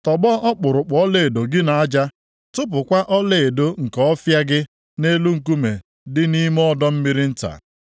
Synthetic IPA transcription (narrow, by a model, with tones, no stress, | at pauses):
tɔ˨ɡ͡bɔ˦ʔɔ˦k͡pʊ˨ɾʊ˨k͡pɔ˦le˦˨e˨do˨ɡɪ˦na˨a˦d͡ʒa˦ | tʊ˦p̬ʊ˨kʷa˦ʔɔ˦le˨e˨do˦ŋ̩˨kɔ˦ɔ˦fja˦ɡɪ˦ | ne˦lu˦ŋ̩˨k̬u˦me˨ | dɪ˦ni˦m˦ɔ˦dɔ˦m̩˦mi˦ɾɪ˦n̩˦ta̰˨